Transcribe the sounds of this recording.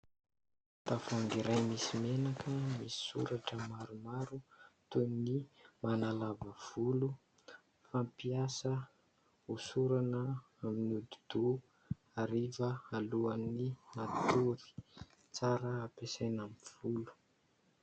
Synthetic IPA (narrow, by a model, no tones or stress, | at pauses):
t̪afaŋɡiɾajmisimenakəmisi̥sṵɾaʈ͡ʂəmaɾumaɾut̪unimanalavəv̥ulu | fampiasə | usuɾanə | aminud̪ud̪̥u | aɾivəaluanimat̪uɾi̥ | t͡saɾəːpesajnamiv̥ulu̥